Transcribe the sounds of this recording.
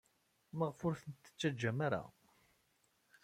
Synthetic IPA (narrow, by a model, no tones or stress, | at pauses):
məʁfʊɾθənt̪ːə̥t͡sːæd͡ʒːæmaɾa̰